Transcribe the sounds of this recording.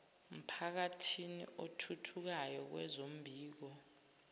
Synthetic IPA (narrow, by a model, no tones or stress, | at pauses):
m̩pʰak̬atʰinḭotʰutʰuk̬ajɔk̬wɛ̰zom̩bʱiːk̬ɔ